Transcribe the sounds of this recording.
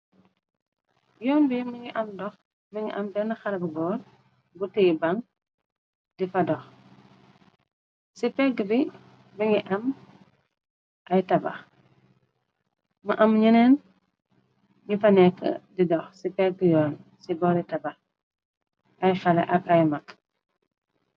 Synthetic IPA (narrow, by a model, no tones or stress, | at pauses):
jɔːnbimɐŋiʔɐmdɔx | mɐŋḭʔɐmbɛnəxɐlɐbɡɔːɾ | butɛibaŋ | difɐdɔx | sipɛɡəbi | mɐŋɡiʔɐm | ʔɐjtɐbɐ̰x | mɐʔɐmɲənɛn | ɲifɐnɛkːə̰didɔxsipɛɡjɔːnsibɔɾitɐbɐ | ʔɐjxɐlɐ̰ʔɐkɐjmɐkː